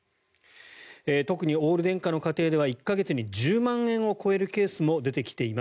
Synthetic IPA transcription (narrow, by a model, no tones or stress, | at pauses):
et̪o̞kɯ̟ɲ̟io̞ːɾɯ̟d̪ẽ̞ŋkano̞kat̪e̞ːd̪e̞βaikːaɡe̞t͡sɨɲ̟id͡ʑɨːmãɰ̃ẽ̞ɰ̃o̞ko̞e̞ɾɯ̟ke̞ːsɨmo̞d̪e̞t̪e̞kʲi̥t̪e̞ima